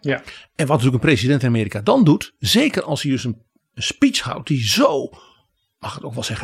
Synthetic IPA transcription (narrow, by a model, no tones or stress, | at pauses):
ɛnʋɔtntyləkənpresidɛntɪnameːɾikadɔndutzeːkərɑlˠsjəøsən | ənspisha̰wt̚dizoː | maxətoːkʋɛlˠsɛx